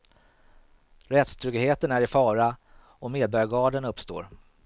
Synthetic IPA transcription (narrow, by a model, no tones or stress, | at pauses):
ɾɛt̪st̪ʰɾʏɡheːt̪ənæɾɪfɑːɾa | ɔmeːd̪̚bœɾjaɡɑːɖənɵpst̪o̰ːɾ